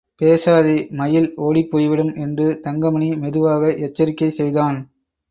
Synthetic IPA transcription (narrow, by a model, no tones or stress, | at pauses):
peːsaːðemɐjɪloːɽipːoːjʋɪɽɯmʔɛndrɯt̪ɐŋɡɐmɐɳimɛðɯʋaːɣɐʔɛt͡ʃːɐɾɪkːɐɪsɛjðaːn